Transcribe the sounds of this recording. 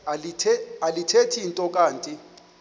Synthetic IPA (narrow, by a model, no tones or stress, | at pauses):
alitʰealitʰetʰiːntʼɔk̬ʼaːntʼi